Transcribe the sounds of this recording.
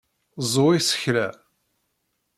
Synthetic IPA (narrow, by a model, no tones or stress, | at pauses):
zˤoisə̥çlæ